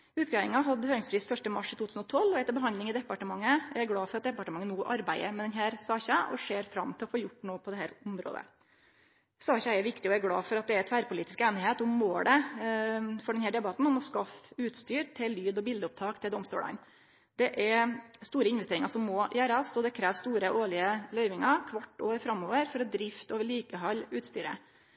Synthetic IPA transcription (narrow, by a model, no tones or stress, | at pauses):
ʉːt̪ɡɑːɪŋɑɦɑd̪əhøːɾɪŋsfɾiːst̪fœʂʈəmɑʂt̪ʰuːt̪ʰʉːsn̩ɔt̪ʰɔlːɔɛt̪əbəɦɑnd̪lɪŋɪd̪ɛpːɑʈəmɑŋːəɛɾɡɽɑːfɔɾɑt̪̚d̪ɛpːɑʈəmɑŋːənuːʔɑɾbæɪəɾmɛd̪ɛnɦæːɾsɑːçɑʔɔ̰ʂeːɾfɾɑ̰mːt̪ʰɪlɔfoːjʊʈːnoːpʰɔd̪ɛhæːɾʊmɾo̰ːd̪ə̰ | sɑːçɑɛɾʋɪkt̪ɪɔæɾɡɽɑ̰ːfɔɾɑt̪̚d̪ɛæɾt̪ʰʋæːɾpʰʊliːt̪ɪskeːnɪheːt̪ɔmmoːd̪ɛ | fɔɖɛnhæːɖɛbɑt̪ːn̩ɔmɔskɑfʉːt̪st̪yːɾʈ̪ʰɪllːyːd̪ɔbɪld̪əʊp̚t̪ʰɑːkt̪ʰɪlɛɔmst̪o̰ːɭɑ̰n | d̪̥ɛʔɛɾst̪uːɾəɪnʋɛst̪eːɾɪŋɑɾsɔmːɔːjæːɾɑsɔd̪ɛkʰɾæːʋst̪uːɾəʔoːɭɪəlœʏʋɪŋɑɾkʰʋɑʈːo̰ːʋəɾfɾɑmːoːʋəɾfɔɾɔd̪ɾɪft̪ɔːʋəliːkəɦɑlʉːt̪st̪yːɾə̰